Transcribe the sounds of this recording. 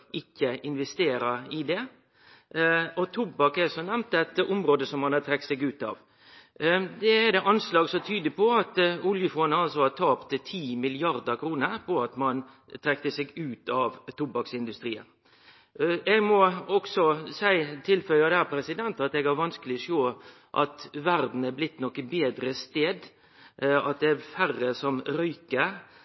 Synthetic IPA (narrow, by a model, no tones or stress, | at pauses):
ʔɪkːəʔɪnʋɛst̪eːɾəɪd̪ɛ | ɔt̪ʰʊbɑkːɛsɔnɛmnt̪ɛt̪ʊmɾoːd̪əsɔmhɑnhɑt̪ʰɾɛk̚t̪sɛɡʉːt̪ɑ̰ʋ | d̪ɛɛd̪ɛʔɑnslɑːɡsɔt̪ʰyːd̪ɪpʰɔɑt̪ʊljəfɔnəɑlsɔɑt̪ʰɑːpt̪t̪ʰiːmɪlɪɑɾd̪əkʰɾuːnəɾpʰɔɑt̪mɑn | t̪ʰɾɛkt̪əsɛɡʉːt̪ʰɑʋt̪ʰʊbɑksɪnd̪ʉst̪ɾiːə̰n | ɛɡmɔɔksɔsæɪt̪ʰɪlfœʏɑd̪æːpʰɾɛsɪd̪ɛnt̪ɑt̪ɛɡhæɾʋɑnskəlɪɔʂoː | ʔɑ̰t̪ʋæɾd̪n̩æɾblɪt̪ːnɔkːəbeːd̪ɾəst̪eːd̪ | ɑt̪̚d̪ɛæɾfærːəsɔmɾœʏkə